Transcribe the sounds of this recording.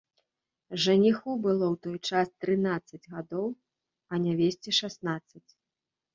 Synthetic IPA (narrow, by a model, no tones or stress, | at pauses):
ʐɐnʲixubɨlˠɔwt̪ɔjt͡ʂast̪ɾɨnat̪sːɐd͡zʲɣad̪ɔw | ɐnʲavʲesʲt͡sʲɛʂasnat̪sːɐt͡sʲ